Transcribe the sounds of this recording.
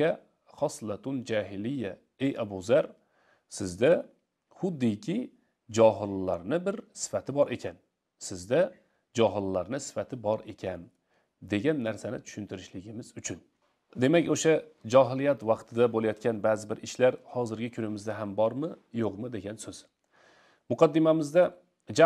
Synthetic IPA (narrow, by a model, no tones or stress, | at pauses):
a | χɒslˠat̪ʰʊnd͡ʒaɦɪlɪjːa | ejabuzaɾ | sɪzd̪a | hʊd̪ːɪkʲʰɪ | d͡ʒɒɦɪlːaɾnɪbɪɾsɪ̥fat̪ʰɪbɒɾʔe̞kʲʰan | sɪzd̪a | d͡ʒɒɦɪlˠːaɾnɪsɪ̥fat̪ʰɪbɒɾe̞kʲʰan | d̪e̞ɡʲanːaɾsanɪ̰t̪ʰʊ̥ʃʊnt̪ʰɪɾɪʃlɪɡʲɪmɪzʊt͡ʃʰʊn | d̪e̞makʲoʃad͡ʒɒɦɪlijat̪wɑqt̪ʰɪd̪abolajɒt̪̚kʲanbaːzɪbɪɾʔɪʃlaɾhɒzɪɾɡʲɪkʰʊnɪmɪzd̪aɦambɒɾmɪjoqmɪd̪e̞ɡʲansɵz̥ | mʊqʰɑd̪ːɪmamɪzd̪a | d͡ʒa